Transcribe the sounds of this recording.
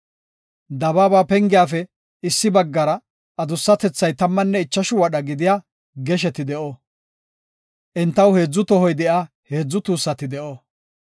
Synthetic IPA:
d̪ɐbaːbaːpɛŋɡɪjaːfɛ | ɪsːɪbɐɡːɐɾɐ | ʔɐd̪ʊsːɐt̪ɛt͡sːɐjt̪ɐmːɐnːɛɪt͡ʃːɐʃʊwɐɗɐɡɪd̪ɪjaː | ɡɛʃ̬ɛt̪ɪd̪ɛʔɔ | ʔɛnt̪ːɐwhe̞ːd͡zːʊt̪ɔɦɔjd̪ɛʔaː | he̞ːd͡zːʊt̪uːsːɐt̪ɪd̪ɛʔo

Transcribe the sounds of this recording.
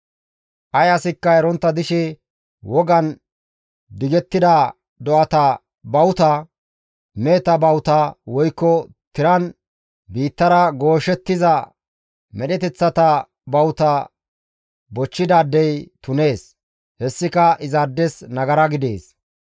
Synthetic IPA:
ʔɐjɐsɪkːɐɛɾɔnt̪ːɐd̪ɪʃɛ | wɔɡɐn | d̪ɪɡɛt̪ːɪd̪ɐ | d̪ɔɐt̪ɐ | bɐwʊt̪ɐ | meːt̪ɐbɐwt̪ɐwɔjkːɔ | t̪ɪɾɐn | biːt̪ːɐɾɐɡo̞ːʃɛt̪ːɪzɐ | mɛɗɛt̪ɛt͡sːɐt̪ɐ | bɐwt̪ɐ | bɔt͡ʃːɪd̪aːd̪ːɛjt̪ʊne̞ːs | hɛsːɪkɐʔɪzaːd̪ːɛsnɐɡɐɾɐɡɪd̪ḛːs

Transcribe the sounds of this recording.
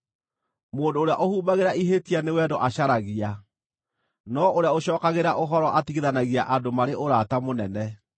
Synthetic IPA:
moːndoːɾeaʔohuːbaɣeɾaiɦetianewɛdɔʔaɕaɾaɣia | nɔoɾeaoɕɔːkaɣeɾaʔoɦɔɾɔʔatiɣeðanaɣiaʔadomaɾeʔoɾatamonɛnɛ

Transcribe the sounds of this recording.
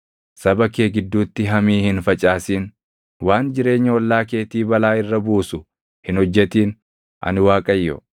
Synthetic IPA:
sɐbɐkeːɡɪd̪ːuːt̪ːɪɦɐmiːhɪnfɐt͡ʃʼaːsiːn | waːnd͡ʒɪɾe̞ːɲːɐɔlːaːke̞ːt̪iːbɐlaːɪrːɐbuːsʊ | hɪnhɔd͡ʒːɛt̪iːn | ʔɐ̰nɪwaːkʼɐjːɔ̰

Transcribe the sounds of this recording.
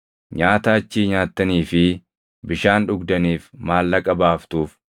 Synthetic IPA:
ɲaːt̪aːt͡ʃːiːɲaːt̪ːɐniːfɪ | bɪʃaːnᶑʊɡd̪ɐniːfmaːlːɐkʼɐbaːft̪uːf

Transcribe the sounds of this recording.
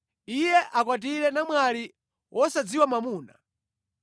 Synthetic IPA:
ijɛʔakwat̬iɾɛnamwali | wʔɔsad͡ziwamamuːna

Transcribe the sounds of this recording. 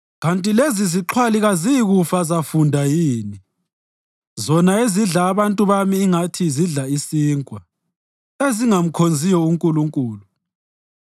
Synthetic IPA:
ɣantʼileziziǁʰwaliɣazijiɣufazafundʱajiːni | zɔnaeziɮaːβantʼuβamiːŋatʰiziɮaisiːŋkʼwa | eziŋam̩kʰond͡zʱijɔuŋkʼuluŋkʼuːlu

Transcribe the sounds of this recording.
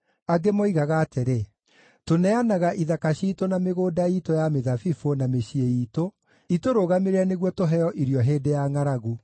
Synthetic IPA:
aɡemɔiɣaɣaːteɾe | tonɛanaɣaʔiðakaɕiːtonameɣoːdaitojameðafifonameɕieiːto | itoɾoɣameɾɛneɣwɔtoɦɛjɔʔiɾjɔɦeːdejaŋaɾaɣu

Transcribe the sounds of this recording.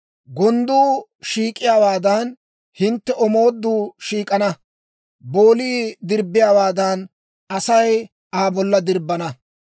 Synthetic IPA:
ɡɔnd̪uːʃiːkʼːɪjaːwaːd̪ɐn | hɪnt̪ːɛʔɔmoːd̪ːuːʃiːkʼɐnɐ | bo̞ːliːd̪ɪɾbɪjaːwaːd̪ɐn | ɐsɐj | ʔaːbɔlːɐd̪ɪɾbːɐnɐ

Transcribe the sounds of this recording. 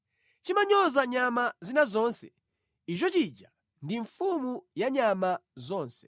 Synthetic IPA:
t͡ʃimaɲɔzaɲamazinazɔnsɛ | it͡ʃɔt͡ʃit͡ʃa | ndiɱfumujaɲamazɔːnsɛ̥

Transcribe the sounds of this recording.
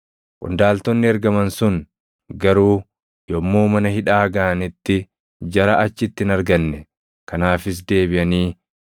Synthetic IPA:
kʼʊ̰nd̪aːlt̪ɔnːɪɐɾɡɐmɐnsʊŋ | ɡɐɾuː | jɔmːoːmɐnɐhɪᶑaːɡɐːɐnɪt̪ːɪ | d͡ʒɐɾɐʔɐt͡ʃːɪt̪ːɪnɐɾɡɐnːɛ | kɐnaːfɪs̬d̪e̞ːbɪʔɐniː

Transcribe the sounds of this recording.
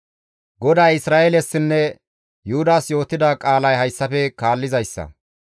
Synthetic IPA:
ɡɔd̪aːjɪsɾaːʔelɛsːɪnːɛ | jʊhʊd̪aːsjo̞ːt̪ːɪd̪akʼaːlɐjɦɐjsːɐfɛkaːlːɪzɐjsːɐ̰

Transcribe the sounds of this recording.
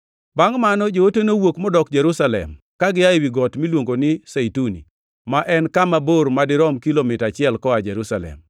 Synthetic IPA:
baŋmanɔd͡ʒootenowokmɔdɔkd͡ʒɛɾusalɛ̰m | kaɡɪaewiɡɔtmilwoŋɡonɪseitunḭ | maʔɛnkamaboɾmadɪɾɔmkilomɪtat͡ʃɪɛlkɔad͡ʒɛɾusalɛ̰m

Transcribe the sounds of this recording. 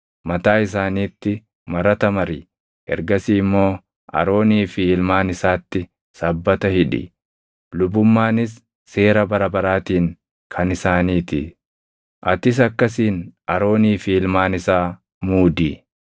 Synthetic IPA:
mɐt̪aːɪs̬aːniːt̪ːɪ | mɐɾɐt̪ɐmɐɾɪ | hɛ̰ɾɡɐsiːmːo̞ː | ɐ̰ɾo̞ːniːfiːlmaːnɪsaːt̪ːɪ | sɐbːɐt̪ɐhɪᶑɪ̰ | lʊbʊmːaːnɪsː | e̞ːɾɐbɐɾɐbɐɾaːt̪iːŋ | kʰɐnɪsaːniːt̪ɪ | ʔɐt̪ɪs̬ɐkːɐsiːnɐɾo̞ːniːfiːlmaːnɪsaː | muːd̪ɪ

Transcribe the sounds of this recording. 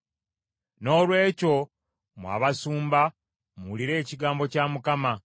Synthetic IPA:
no̞ːlwe̞ːco̞ | mwa̰ːβasuːmba | muːliɾe̞ːciɡaːmbo̞camukama

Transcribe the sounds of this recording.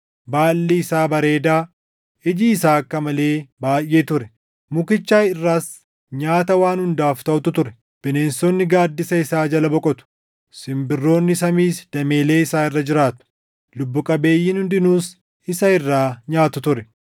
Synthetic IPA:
baːlːiɪsaːbɐɾe̞ːd̪aː | ɪd͡ʒiːsaːɐkːɐmɐle̞ːbaːjʔːeːt̪ʊɾɛ | mʊkɪt͡ʃːaːɪrːaːs | ɲaːt̪ɐwaːnhʊnd̪aːft̪ɐʔʊt̪ʊt̪ʊɾɛ | b̥ɪne̞ːnsɔnːɪɡaːd̪ːɪsɐɪsaːd͡ʒɐlɐbɔkʼɔt̪ʊ̥ | sɪmbɪrːo̞ːnːɪsɐmiːsd̪̥ɐme̞ːle̞ːɪsaːɪrːɐd͡ʒɪɾaːt̪ʊ̥ | lʊbːʊkʼɐbe̞ːjːɪnhʊnd̪ɪnuːs | ɪsɐɪrːaːɲaːt̪ʊt̪ʊɾɛ

